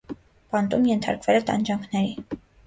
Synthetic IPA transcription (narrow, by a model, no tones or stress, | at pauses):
pɑnt̪umjɛnt̪ʰɑ̰ɾkvɛlɛt̪ɑ̰nd͡ʒɑŋkʰnɛɾi